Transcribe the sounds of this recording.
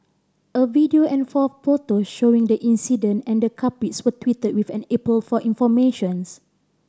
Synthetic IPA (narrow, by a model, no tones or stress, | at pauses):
ʔəvidioʔɛ̃nfɔffotoʃoĩŋdəʔĩnsidə̃ntɛ̃ndəkʰapitswətwitəd̚wifɛ̃nɛpəlfɔʔĩnfɔmeʃɔ̃ns